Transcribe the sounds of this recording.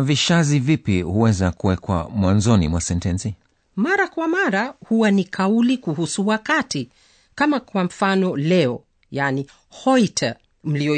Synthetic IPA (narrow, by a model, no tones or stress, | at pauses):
aviʃazivipihuwɛzakuwɛkwa̰mwanzɔnḭmwasɛntɛnsi | maɾakwamaɾahuwanikʰaulikuɦusuwakati | kamakwam̩fanɔlɛɔ | jani | hɔitʰa | m̩liɔ